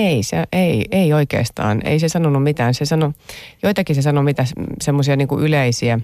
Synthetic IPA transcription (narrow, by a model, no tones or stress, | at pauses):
eiseʔeieioikḛːst̪ɑ̰ːnḛisesɑnonːumit̪æːnsesɑnojoit̪ɑkisesɑnomit̪æssemːosiɑniːŋkuʔyleisiæ